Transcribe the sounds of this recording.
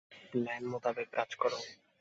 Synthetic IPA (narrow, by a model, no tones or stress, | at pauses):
nɛmot̪abekːad͡ʑkɔɾow